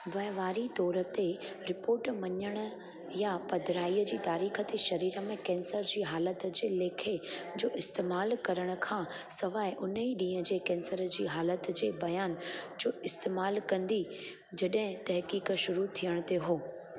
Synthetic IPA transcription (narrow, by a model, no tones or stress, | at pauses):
ʋɐɦʋaːɾit̪ɔːɾə̆t̪eɾɪpoːɾʈmɐɲəɽ̃ə̆ | japɐd̪ʱɾaːiːəd͡ʑiːt̪aːɾiːxət̪eʃɐɾiːɾə̆mẽkɛ̃ːnsəɾd͡ʑiːɦaːlət̪d͡ʑeːleːkʰed͡ʑoːʔɪst̪eːmaːlkɐɾəɽ̃ə̆kʰãː | sɐʋaːɪʔʊnəiɗĩːə̃d͡ʑeːkɛ̃ːnsəɾd͡ʑiːɦaːlət̪d͡ʑeːbɐjaːnd͡ʑoːɪst̪eːmaːlkɐ̃nd̪i | d͡ʑɐɗɦɪ̃t̪ɐɦkiːkʃʊɾut̪ʰijəɽ̃t̪eɦoː